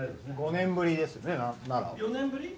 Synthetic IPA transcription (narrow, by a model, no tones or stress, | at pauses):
ed̪sɡo̞nẽ̞mbɯ̟ɾʲid̪e̞sɨjonenanaɾa̰jonẽmbɯɾʲi